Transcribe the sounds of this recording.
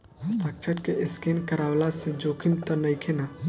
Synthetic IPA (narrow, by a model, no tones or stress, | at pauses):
st̪ʰaːk̚t͡ʃʰəɾkeɪskenkəɾaːwlased͡ʒoːkʰɪnt̪ənɐikʰena